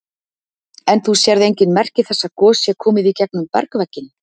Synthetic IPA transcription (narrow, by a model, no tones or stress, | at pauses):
ɛnθusjɛɾðejɲcɪnmɛr̥cɪθɛsːakɔːsjɛkʰɔːmɪðicɛk̚nʏmpɛ̰ɾkvɛcːɪn